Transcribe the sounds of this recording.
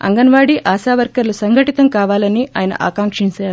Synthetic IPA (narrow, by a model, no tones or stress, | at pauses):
ɐ̰ŋɡɐnʋaːɽiʔaːsaːʋɐɾkɐɾlusɐŋɡʱɐʈit̪ɐmkaːʋaːlɐniʔaːjɐnɐ̰ʔa̰ːkaːŋkʂiɲt͡ʃaːɾu